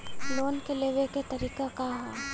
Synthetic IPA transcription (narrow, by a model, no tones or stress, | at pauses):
loːnkeleʋeket̪ɐɾiːkakaɦɛː